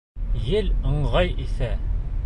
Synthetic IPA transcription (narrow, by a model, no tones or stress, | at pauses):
jɘlɤ̆ɴʁɑjisæ